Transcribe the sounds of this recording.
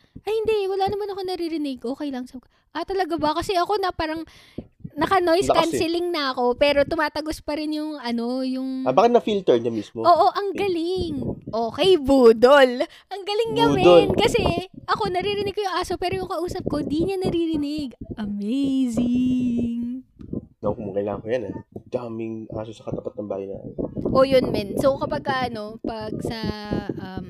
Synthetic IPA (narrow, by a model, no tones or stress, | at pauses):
ʔɐjhɪnd̪ɛwɐlaːnɐmɐnɐko̞nɐɾiɾɪnɪɡ̚ʔokɐjlɐŋsɐbk | ʔɐt̪ɐlɐɡabɐkɐsɛʔɐko̞nɐpaːɾɐŋ | nɐkɐno̞jskansɛlɪŋnɐʔɐko̞pɛːɾo̞t̪ʊmaːt̪ɐɡospɐɾɪnjʊŋɐno̞jʊŋbaːkɪt̪̚nɐfilt̪ɛɹɲɐmismoʔoːʔo̞ʔɐŋɡɐlɪŋʔoːkɛejbuːd̪ol | ʔɐŋɡɐlɪŋːɐmɛnkɐsɛʔɐko̞nɐɾiːɾɪnɪɡ̚kojʊŋʔaːsopɛːɾojʊŋkɐʔuːsɐp̚ko̞d̪iɲɐnɐɾiːɾɪnɪɡʔɐmejzɪŋ | nɐkʊmuŋkɐjla̰ːŋɐŋkojanad̪̥amɪŋʔa̰ːsosɐkɐt̪ɐpɐt̪nɐmba̰ːhɐjna̰ːmɪnʔo̞jonmɛnsokɐpɐɡ̚kɐʔno̞pɐɡ̚sɐʔɐm